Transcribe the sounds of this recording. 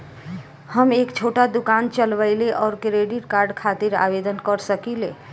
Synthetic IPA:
həmeːkt͡ʃʰoʈad̪ukant͡ʃəlʋəɪleʔɔːɾkɾeɖiʈkaɾɖkʰat̪iɾa̰bed̪ənkəɾsəkile

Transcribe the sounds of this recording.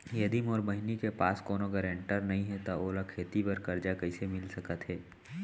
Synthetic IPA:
jɐd̪imɔːɾbɐɦɪnikepa̰ːskɔːnoɡɐɾẽɳʈəɾnɐɦĩɦɛt̪aʔoːlakʰeːt̪ibɐɾkɐɾd͡ʒakɐɪsemɪlsɐkət̪ɦɛː

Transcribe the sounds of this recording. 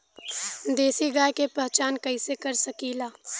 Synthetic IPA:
d̪eːsiɡaːjkepɾɐɦt͡ʃaːnkɐisekɐɾsɐkiːlaː

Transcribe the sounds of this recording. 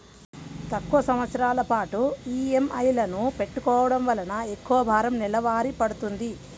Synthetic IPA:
t̪ɐkːuʋɐsɐmʋɐt̪sɐɾaːlɐpaːʈuiːemɐjlɐnupe̞ʈːukɔːʋɐɽɐmʋɐlɐnɐekːuʋɐbʱaːɾɐmnilɐʋaːɾipɐɽut̪und̪i

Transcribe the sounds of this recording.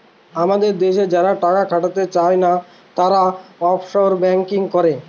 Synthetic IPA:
amad̪eɾd̪eʃed͡ʑaɾaʈakakʰaʈat̪et͡ɕaena | t̪aɾaɔpʰʃoɾbɛŋkiŋkɔɾe

